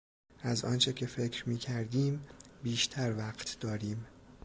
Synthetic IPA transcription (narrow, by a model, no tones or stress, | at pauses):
ʔæzɒ̰ːnt͡ʃʰe̞cʰe̞fe̞cʰɾmiːcʰæɾd̪iːmbiːʃt̪ʰæɾvæɢt̪ʰd̪ɒːɾiːm